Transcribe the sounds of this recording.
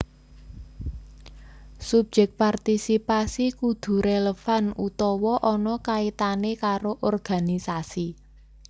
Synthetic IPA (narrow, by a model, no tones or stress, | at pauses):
sub̥̚d͡ʒ̥ɛk̚part̪isipasikud̪̥ṳɾeləfanut̪ɔwɔʔɔnɔkait̪anekaɾoʔɔrɡ̥a̤nisasi